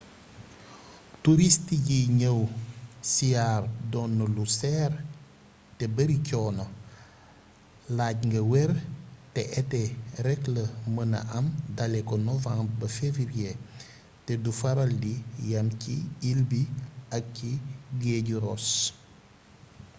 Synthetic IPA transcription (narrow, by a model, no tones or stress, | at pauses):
tuɾistiɟiɲəwsijaːrdɔnːulusɛːr | tɛbɐɾicɔːnɐ | laːɟŋɡɐwɛɾtɛʔɛtɛɾɛkləmənɐ̰ʔɐmdɐlɛkɔnɔvãŋbɐfeviɾie | tɛdufɐɾɐldijɐmciilbiɐk̚ciɡɛːɟuɾɔs